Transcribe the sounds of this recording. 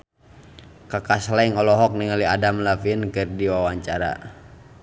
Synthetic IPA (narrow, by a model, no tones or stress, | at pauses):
kakaslaiŋɔlɔɦɔk̚niŋaliadamlafinkɨrdiwawaɲt͡ʃaɾa̰